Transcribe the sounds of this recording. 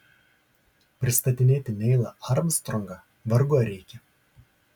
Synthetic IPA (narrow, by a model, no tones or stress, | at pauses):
pʲɾʲɪst̪ɐt̪ʲɪnʲeːt̪ʲɪnʲɛɪlˠɐʔɐɾmst̪ɾɔŋɡɐ | ʋɐɾɡuɔɾʲɛɪkʲɛ